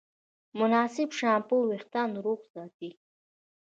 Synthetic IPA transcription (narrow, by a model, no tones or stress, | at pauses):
mʊnaːsibʂaːmpuwiχt̪anɾuqzaːt̪i